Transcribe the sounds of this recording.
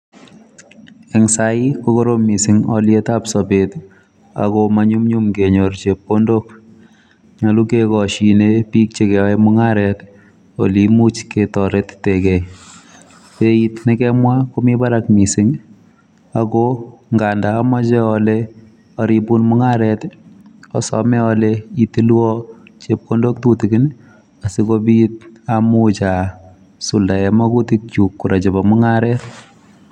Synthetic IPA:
ɛŋsaikokoɾommːisɪŋɔ̰ljetapsɔbet | a̰komaɲumɲumkeɲoɾt͡ʃepːondok | ɲalukekɔʃinepik̚t͡ʃekɛɛmʊŋaɾɛt | o̰limut͡ʃketɔɾettekɛ | peitnɪkɛmwakomibaɾakmisɪŋ | akoŋɡandaːmɔt͡ʃɛɔle | ɔɾibunmuŋaɾɛtɔ̰sɔ̰mɛɔleitilwɔt͡ʃep̚kondok̚tutiɡin | asikobit̚amut͡ʃa | suldaɛmakutik̚t͡ʃukːuɾat͡ʃebɔmʊŋaɾɛt

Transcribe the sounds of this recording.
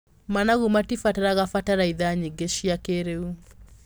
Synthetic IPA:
manaɣumatifataɾaɣafataɾaiðaɲeɡeʃiakeɾeu

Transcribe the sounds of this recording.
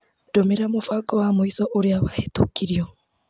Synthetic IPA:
d̥omeɾamofakɔwamoisɔʔoɾeaβahetokiɾjɔ

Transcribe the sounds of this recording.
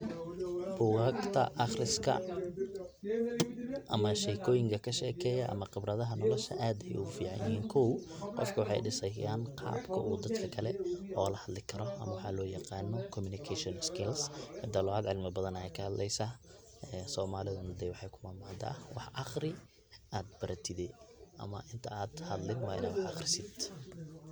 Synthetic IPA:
b̥ʊɣaːɡt̪ʰɐ̰ʔɑχrɪskʰɐ̰ | ʔɐmɐʃɛːkʰɔːjɪŋkʰɐkʰɐʃɛːkʰɛːjɐʔɐ̰mɐqɪbrɐðɐɦɐnɔlɔʃɐ̰ʔaːd̪ɛjufiːʕɑ̰jɪɦiːŋkʰɔwqɔ̰fkʰɐwɑħɑ̰jɖɪsɐjaːnqɑ̰ːbkʰɐʔuːd̪ɐd̪kʰɐkʰɐlɛʔɔːlɐhɐd̪lɪkʰɐɾɔʔɐ̰mɐwɑħɑlɔːjɐqɑːnːɔkʰɔmʊnɪkʰɛʃɔnskʰɪlshɛd̪ɐlɔaːd̪ʕɪlmɪbɐðɐnɐjɛjkʰɐhɐd̪lʔɛjsa | ɛːsɔːmaːlɪðɐnɐd̪ɛjwɑħɑjkʰʊmaːmaʕnt̪ʰa̰ːwɑħʔɑχrɪ | ʔaːd̪̚bɐɾɐt̪ʰɪðɛʔɐ̰mɐ̰ʔɪnt̪ʰɐaːd̪hɐd̪lɪnwɑːɪ̰na̰ːd̪wɑħɑχrɪsɪd̪

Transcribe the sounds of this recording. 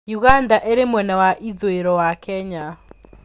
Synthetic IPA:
juɣandaʔeɾemwɛnawaʔid͡zoeɾɔwakʰɛɲa

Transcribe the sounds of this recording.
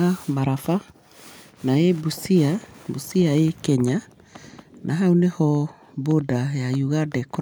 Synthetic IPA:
amaɾafa | naebusiabusiaekɛɲa | nʔaɦaunehɔ | bodajajuɣadɛk

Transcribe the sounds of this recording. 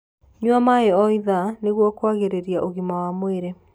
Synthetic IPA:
ɲwamaeɔiðaneɣwɔkwaɣeɾeɾjaʔoɣimawamoeɾe

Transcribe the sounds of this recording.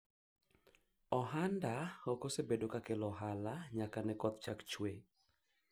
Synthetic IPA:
ɔɦandaokosebedokakelɔɦalaɲakanɛkɔt̪̚t͡ʃakt͡ʃwe

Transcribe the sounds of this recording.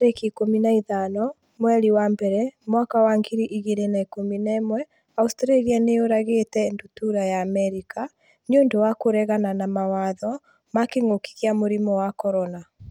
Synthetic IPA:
ɾekikominaiðanɔ | mwɛɾiwambɛɾɛmwakawaŋɡiɾiʔiɣeɾenaikominaemwɛ | austɾalianeoɾaɣetɛndutuɾajaːmɛɾika | neondowakoɾɛɣananamawaðɔ | makeŋoki̥ɣiamoɾimɔwakɔɾɔna

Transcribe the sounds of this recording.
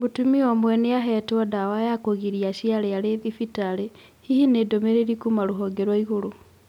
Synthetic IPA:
βutumiomwɛneaɦɛtwɔdawajakoɣiɾiaʃialealeðifitale | hihinedomeɾeɾikumaɾuɦoɡeɾwaiɣuɾu

